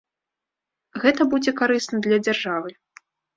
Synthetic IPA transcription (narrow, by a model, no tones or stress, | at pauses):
ɣɛt̪ɐbud͡zʲɛkaɾɨsnɐd̪lʲɐd͡zʲarʐavɨ